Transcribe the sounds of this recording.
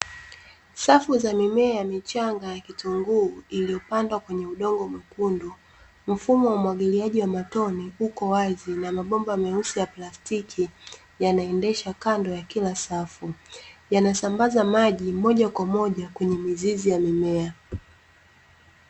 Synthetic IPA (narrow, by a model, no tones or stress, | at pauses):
safuzamimɛajamit͡ʃaŋɡajakituŋɡuːilijɔpandwakwɛɲɛuɗɔŋɡɔmukundu | m̩fumɔwaumwaɠiliaʄiwamatɔniukɔwazinamaɓɔmbamɛusijaplastikʰi | janaɛndɛʃakandɔjakilasafujanasambazamaʄimɔʄakwamɔʄakwɛɲɛmizizijamimɛa